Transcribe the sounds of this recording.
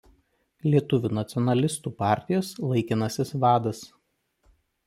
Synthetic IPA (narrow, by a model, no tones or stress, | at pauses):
lʲiɛt̪ʊʋʲuːnɐt̪sʲɪɔnɐlʲɪst̪uːpɑˑɾʲt̪ʲɪjoːslˠɐɪkʲɪnɐsʲɪsʋɑːd̪ɐs